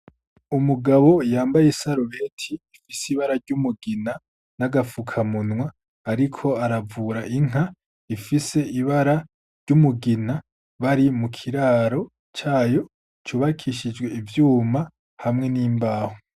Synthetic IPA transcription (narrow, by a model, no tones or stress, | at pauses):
umuɡaβo̞jaːmbajesaɾoβe̞tʰiːfisiβaɾaɾɟumuɡina | naɡafukʰamunwaː | ɾikʰo̞aɾavuɾaʔiŋ̥a | ifise̞ʔiβaɾa | ɾɟumuɡina | βaɾimukʰiɾaːɾo̞ | t͡ʃaːjo̞ | t͡ʃuːβakʰiʃid͡ʒɡwe̞ivjuːma | hamŋe̞niːmbaːho